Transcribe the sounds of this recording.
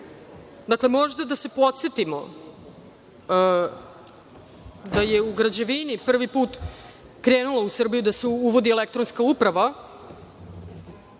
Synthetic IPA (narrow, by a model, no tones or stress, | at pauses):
d̪akle̞mo̞ʒd̪ad̪ase̞po̞t̪se̞t̪imo̰ | d̪aje̞uɡɾad͡ʑeʋinipr̩ʋipuːt̪ | kɾeːnulˠausr̩bijud̪aseuʋo̞d̪ielek̚t̪ɾo̞nskaupɾaʋa